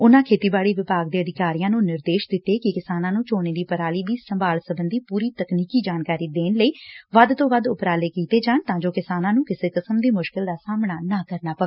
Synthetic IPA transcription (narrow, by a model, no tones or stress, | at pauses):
ʊnãːkʰeːt̪iːbaːɽiːʋɪpaːɡd̪eːəd̪ɪkaːɾɪjãːnũːnɪɾd̪eːʃd̪ɪt̪ːeːkɪkɪsaːnãːnũːt͡ʃoːneːd̪iːpəɾaːliːd̪iːsəmbaːlsəbənd̪iːpuːɾiːt̪əkniːkiːd͡ʒaːnkaːɾiːd̪eːnləiːʋəd̪t̪õːʋəd̪ʊpɾaːleːkiːt̪eːd͡ʒaːnt̪ãːd͡ʒoːkɪsaːnãːnũːkɪseːkəsəmd̪iːmʊʃkɪld̪aːsaːmnaːnaːkəɾnaːpəʋeː